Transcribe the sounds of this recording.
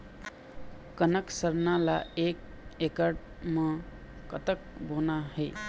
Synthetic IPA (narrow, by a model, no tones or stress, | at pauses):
kənəksəɾnalaek̚ | ekəɾʈ | mẽ | kət̪ək̚bʱonaɦəɪ